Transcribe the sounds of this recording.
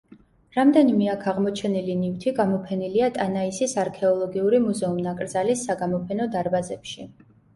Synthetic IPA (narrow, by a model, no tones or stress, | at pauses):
ɾamd̪ɛnimɛakʰaʁmɔt͡ʃʰɛnilinift̪ʰiɡamɔpʰɛniliat̪ʼanaisisaɾkʰɛɔlˠɔɡiuɾimuzɛumnakʼɾd̪zalisːaɡamɔpʰɛnɔd̪aɾbazɛpʃi